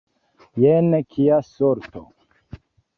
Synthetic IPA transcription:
jɛnekʰijasoɾt̪o̰

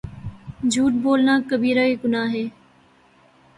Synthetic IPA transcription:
d͡ʒʱuːʈ̚boːlnaːkəbiːɾaːiːɡʊnaːɦeː

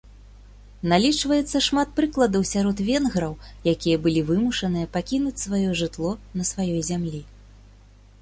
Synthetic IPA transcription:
nalʲit͡ʂvɐjɛt̪sːɐʂmat̪̚pɾɨklˠɐd̪ɐwsʲaɾɔt̪vʲɛnɣɾɐwjakʲijɐbɨlʲivɨmuʂɐnɨjɐpakʲinut͡sʲsvajɔʐɨt̪lˠɔnɐsvajɔjzʲamlʲi

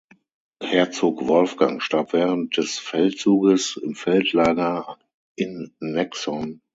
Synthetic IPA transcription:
hɛːɐt͡soːkvɔlfɡ̥aŋʃtaɐpv̥ɛːʁənt̚d̥ɛsfɛltt͡suːɡəsɪmfɛltʰlaːɡɐ | ʔɪnːɛksɔn

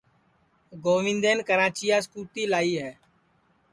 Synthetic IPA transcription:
ɡoːʋɪ̃nd̪eːnkəɾãːt͡ʃɪjaːskuːt̪iːlaːiːɦɛː

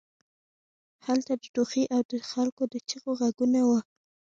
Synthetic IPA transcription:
halt̪ad̪əʈoxiʔawd̪əxalkod̪ət͡ʃəɣoɣaɡunawa

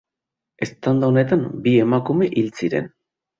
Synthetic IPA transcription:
e̞st̪and̪aone̞t̪ambie̞makume̞ʔilt͡siɾe̞̰n

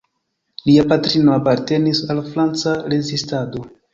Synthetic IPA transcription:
liapatɾino̞apaɾte̞nisalfɾant͡saɾezistado̞

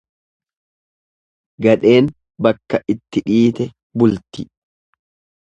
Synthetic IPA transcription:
ɡɐᶑe̞ːn | bɐkːɐʔɪt̪ːɪᶑiːt̪ɛ | bʊlt̪ɪ

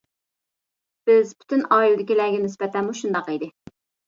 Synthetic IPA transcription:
b̥ɪzpʰy̥t̪ʰynɑːild̪ɪkʲilæɡʲɛnɪsbɛt̪ʰɛnmuʃund̪ɑqid̪ɪ

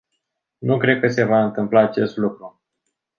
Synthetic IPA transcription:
nukɾe̞d̪̚kəse̞vaɨnt̪ɨmplaːt͡ʃe̞st̪lukɾu

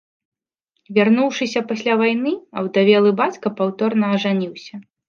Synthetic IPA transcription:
vʲarnuwʂɨsʲɐpasʲlʲavajn̪ɨɐwd̪avʲɛlˠɨbat͡sʲkɐpawt̪ɔrnɐːʐanʲiwsʲɐ

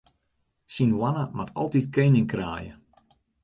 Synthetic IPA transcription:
sinwanəmatʰɔ̰lˠtit̚kɛnɪŋkra̰ːjə̰

